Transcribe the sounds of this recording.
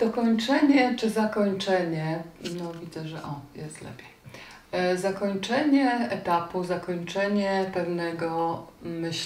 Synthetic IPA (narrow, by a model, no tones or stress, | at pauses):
d̪̥ɔkɔɲt͡ʂɛɲɛt͡ʂɘzakɔɲt͡ʂɛɲɛnɔvʲid̪zɛʐɛʔɔjɛst̪lɛ̰pʲjɛ̥ | zakɔɲt͡ʂɛɲɛɛt̪apuzakɔɲt͡ʂɛɲɛpɛvnɛɡɔmɘɕ